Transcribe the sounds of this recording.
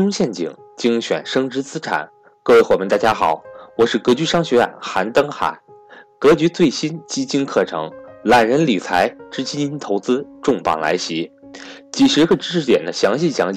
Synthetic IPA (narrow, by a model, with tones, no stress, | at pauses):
ʊ˥ŋɕjɛ˥˩nt͡ɕḭ˨˩ŋ | t͡ɕi˥ŋɕɥɛ̰˨˩nʂɤ˥ŋʈ͡ʂɻ̩˧˥t͡sɹ̩˥ʈ͡ʂʰa̰˨˩˦n | kɤ˥˧we˥˩ɪxwɔ˨˩pʰʲmɛ˧ŋt̪a˥˩t͡ɕja˥xɑ˨˩˦ʊwɔ˨˩ʂɻ̩˥˩kɤ˧˥t͡ɕy˧˥ʂɑ˥ŋɕɥɛ˧˥a̰˥˨˩nxa˧˥nt̪ɤ˥ŋxa̰˨˩˦ | kɤ˧˥t͡ɕy˧˥t͡swe˥˩ɪɕi˥nt͡ɕi˥t͡ɕi˥nkʰɤ˥˩ʈ͡ʂʰɤ̰˧˥ŋla˨˩nɻə˧˥nli˨˩t͡sʰa˧˥ɪʈ͡ʂɻ̩˥t͡ɕi˥i˥nt̪ʰo˧˥ʊt͡sɹ̩˥ʈ͡ʂʊ˥˩ŋpɑ̰˨˩ŋla̰˧˥ɪɕi˧˥ | t͡ɕi˨˩ʂɻ̩˧˥ɡə˥˧ʈ͡ʂɻ̩˥ʂɻ̩˥˩t̪jɛ˨˩nd̪ə˦ɕjɑ˧˥ŋɕi˥˩ɕjɑ˧˥ŋt͡ɕ